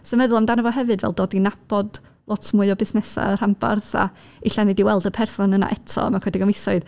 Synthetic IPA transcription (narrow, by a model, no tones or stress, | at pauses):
somɛðʊlˠamdanəvɔɦɛvɨdvɛ̰lˠdoːdinab̥ɔd | lˠɔtʰmuːɨɔbɪsnɛsa̰əramba̰rða̰ | ɪɬanidiwɛlˠdəpʰɛrsɔnəna̰ʔɛtʰɔ̰makʰɛdɪɡɔnɪsɔɨð